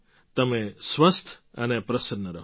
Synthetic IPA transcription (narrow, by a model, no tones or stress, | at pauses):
t̪əmẽsʋəst̪ʰənepɾəsəɾnəɾəɦ